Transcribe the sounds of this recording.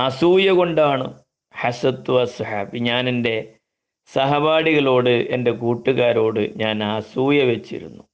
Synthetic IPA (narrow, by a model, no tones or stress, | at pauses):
ɐsuːjɐɣo̞ɳɖaːɳɨ̰ | ħɐsɐd̪uʋɐsɐħaːbiɲaːnende̞ | sɐɦɐbaːɽiɣɐɭo̞ːɽɨʔe̞̰nde̞kuːʈːuɣaːɾo̞ːɽɨ̰ɲaːnaːsuːjɐʋet͡ɕːḭɾṵnːu